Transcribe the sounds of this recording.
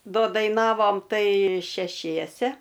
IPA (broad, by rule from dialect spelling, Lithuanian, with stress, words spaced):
ˈdoː dɐɪˈnɑːʋoːm ˈtɐɪ ʃʲɛˈʃʲiɛsʲɛ